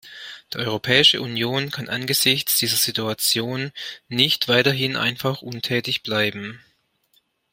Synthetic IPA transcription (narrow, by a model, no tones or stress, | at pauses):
d̥iːʔɔʏʁopʰɛːɪʃə̰ʔunjoːnkʰanʔa̰nɡəzɪçt͡sd̥iːzɐz̥ituat͡sjoːnːɪçtv̥aɪtɐɦɪnʔa̰ɪnfaχʔʊntʰɛːtɪçb̥laɪbm̩